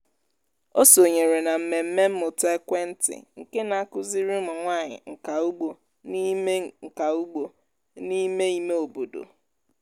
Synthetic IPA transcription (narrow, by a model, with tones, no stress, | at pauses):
o˦so˨ɲe˨ɾe˨na˨m̩˨me˨m̩˦me˦m̩˦mʊ˨te˦kʷe˦n̩˦tɪ̰˨ŋ̩˨ke˦na˨a˦kʊ˦zi˦ɾi˦mʊ˨ŋʷa˦˨ɲɪ̰˨ŋ̩˨ka˨u˦ɡ͡bo˨ | ni˦me˦ŋ̩˨ka˨u˦ɡ͡bo˨ | ni˦me˦i˦me˦o˨bo˨do̰˨